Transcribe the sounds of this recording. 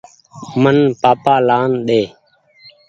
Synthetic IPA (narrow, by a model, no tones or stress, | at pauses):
mənpaːpaːlaːnɗeː